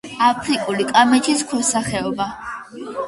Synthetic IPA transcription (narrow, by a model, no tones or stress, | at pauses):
apʰɾikʼulikʼamɛt̪ʰiskʰɛsaχɛɔba